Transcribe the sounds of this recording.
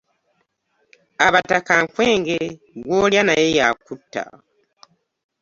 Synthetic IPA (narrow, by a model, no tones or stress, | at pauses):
aβatakaŋkweːŋɡe̞ | βoːljanajejakutːa̰